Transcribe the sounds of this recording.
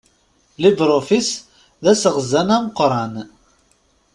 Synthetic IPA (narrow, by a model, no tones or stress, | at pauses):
libɾˤofis | ðæsəʁəzːænæməqɾˤɑn